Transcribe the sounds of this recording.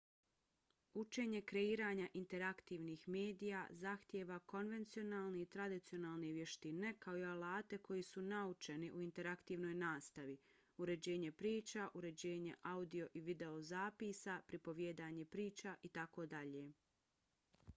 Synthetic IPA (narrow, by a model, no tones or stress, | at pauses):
ut͡ʃe̞ːɲe̞kɾe̞iːɾaːɲaʔint̪e̞ɾakt̪iːʋniːxme̞ːd̪ijazaxt̪jeʋako̞nʋe̞nt̪sio̞naːlˠneit̪ɾad̪it̪sio̞naːlˠne̞ʋje̞ʃt̪ine̞kaoialaːt̪e̞ko̞jisunaut͡ʃe̞niʔuint̪e̞ɾakt̪iːʋno̞jnaːst̪aʋi | uɾe̞d͡ʑe̞ːɲe̞pɾiːt͡ʃaʔuɾe̞d͡ʑe̞ːɲe̞̰ʔaud̪io̞ʔiʋid̪e̞ozaːpiːsapɾipo̞ʋjeːd̪aːɲe̞pɾiːt͡ʃaʔit̪ako̞d̪aʎe̞ː